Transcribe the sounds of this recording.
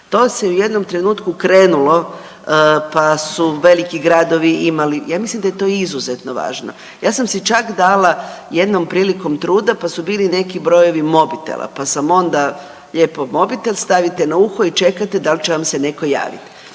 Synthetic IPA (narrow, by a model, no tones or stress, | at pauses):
t̪o̞seuje̞d̪no̞mt̪ɾe̞nuːt̪kukɾe̞ːnulo̞ | pasuʋe̞likiɡɾad̪o̞ʋiʔimalijaːmislimd̪ajt̪o̞izuzet̪no̞ʋa̰ːʒno̞̰ | jaːsamsit͡ʃakd̪aːlajed̪no̞mpɾiːliko̞mt̪ɾuːd̪apasubiːline̞kibɾo̞jo̞ʋimo̞bit̪ḛla̰pasamo̞nd̪a | ʎepo̞mo̞bit̪elst̪aʋit̪enauxoit͡ʃe̞kat̪ed̪alt͡ʃeʋamsene̞ko̞ja̰ːʋḭt̪